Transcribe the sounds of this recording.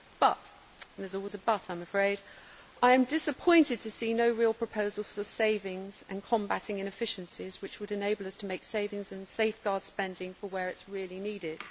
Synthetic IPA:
b̥ʌ̰t | n̩ðəzɔlˠwɪzəbʌtãɪ̃məfɹeɪd | ʔaɪɨ̃mdɪsəpʰɔ̃ɪ̃ntɨd̚tʰɨsinoʊɹilˠpʰɹ̥əpʰəʊzəl̩ˠz̥fəseɪvɪ̃ŋzə̃nkʰɒ̃mbatɪ̃ŋɨ̃ñɨfɪʃɨ̃n̩sɪzwɨt͡ʃwəɾɨneɪbəlˠʌstʰəmeɪkseɪvɪ̃ŋzɨ̃nseɪfɡ̥ɑːd̥spɛ̃ndɪ̃ŋfəwəɹɨtsɹɪəlˠiniːɾɪd̥

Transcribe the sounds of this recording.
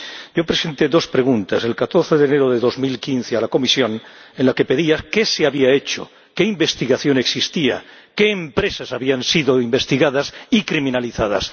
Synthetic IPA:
ɟ͡ʝo̞pɾe̞se̞nt̪e̞ðo̞spɾe̞ɣ̞unt̪ase̞lkat̪o̞ɾθe̞ðene̞ɾo̞ðe̞ðo̞zmilkinθealako̞misjo̞nenlake̞pe̞ðiaske̞seaβiae̞t͡ʃo̰ | ke̞imbe̞st̪iɣaθjo̞ne̞ksist̪ia̰ke̞ːmpɾe̞sasaβiansiðo̞imbe̞st̪iɣaðasikɾimĩnaliθað̞a̰s

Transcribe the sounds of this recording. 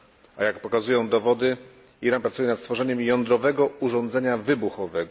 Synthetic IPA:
ajakpɔkazujɔ̃w̃d̪ɔvɔd̪ɘ | iɾanpɾat̪sujɛnat̪st̪fɔʐɛɲɛmjɔnd̪ɾɔvɛɡɔuʐɔ̃nd̪zɛɲavɘbuxɔvɛɡɔ

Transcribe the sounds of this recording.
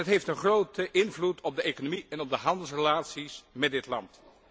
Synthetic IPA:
ɦətɦejftənχrowtəʔɪnvlutʰɔb̚dəejkonomiɛnɔb̚dəɦɑndəlˠs̬rəlaːtsismɛdɪtlɑ̰nt

